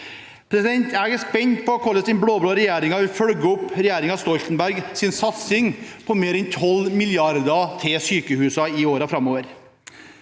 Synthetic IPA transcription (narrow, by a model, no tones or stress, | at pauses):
pʰɾɛsɪd̪ɛnt̪æɡəspɛɲt̪̚pʰɔɔkʰɔlːəsɪnbɽoːbloːɾɛjæːɾɪŋɑʋɪlfœɽɡəʊpːɾɛjæːɾɪŋɑst̪ɔlt̪n̩bæɾɡsɪnsɑt̪sɪŋpʰɔmeːɾɛnt̪ʰɔlmɪljɑɾd̪ɑt̪ʰɪsyːkəhʉːsɑɪoːɾɑfɾɑmoːʋəɾ